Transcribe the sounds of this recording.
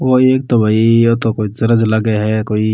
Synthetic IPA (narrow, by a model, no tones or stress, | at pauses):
ʋoeːk̚t̪obʱaːiot̪okoːizɐɾəd͡ʒlɐɡeɦɛkoːi